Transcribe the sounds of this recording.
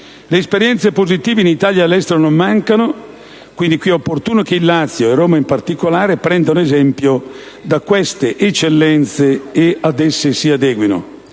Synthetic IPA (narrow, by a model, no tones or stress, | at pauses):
leːspeɾjɛnt̪sepozit̪iːveinit̪aːljaːlːɛst̪eɾonomːaŋkano | kwind̪ikwiɛopːort̪uːnokeilːat̪sːjoerːoːmaimpart̪ikolaːɾepɾɛnd̪anoezɛmpjo | d̪akwest̪eʔet͡ʃːelːɛnt̪seead̪ɛsːesiad̪ɛːɡwino̰